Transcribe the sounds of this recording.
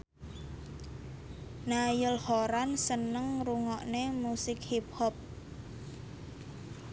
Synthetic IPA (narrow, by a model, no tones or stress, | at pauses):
najəlhoɾansənəŋruŋɔʔnemusɪkhip̚hɔp̚